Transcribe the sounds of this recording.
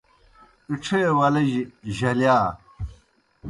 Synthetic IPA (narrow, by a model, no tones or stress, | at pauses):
iʈ͡ʂʰewɐlɐʑiʑɐljaː